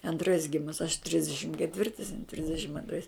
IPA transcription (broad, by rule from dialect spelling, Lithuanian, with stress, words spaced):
ɐnˈtrɐɪs ˈɡʲɪmʊs ɐʃ ˈtʲrʲɪzʲdʲɛʃʲɪm kʲɛˈtʲʋʲɪrtɐɪs ˈtʲrʲɪzʲdʲɛʃʲɪm ɐnˈtrɐɪs